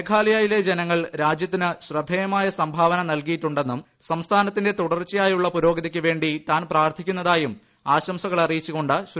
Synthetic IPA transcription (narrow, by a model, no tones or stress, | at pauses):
ekʰaːlɐjaːjile̞d͡ʑe̞nɐŋːɐɭɾaːd͡ʑjɐt̪ːinɨɕrɐd̪ʱːejɐmaːjɐsɐmbʱaːʋɐnɐnɐlkijiʈːuɳɖe̞nːum | sɐmst̪ʰaːnɐt̪̬ːinde̞t̪uɽɐrt͡ɕːɐjaːjuɭːɐpuɾo̞ːɡɐðɐkʲːɨʋe̞ːɳɖit̪aːnpraːrt̪ʰikʲːunːɐðaːjum | aːɕɐmsɐɣɐɭɐrijit͡ɕːuɣo̞ɳɖɨɕ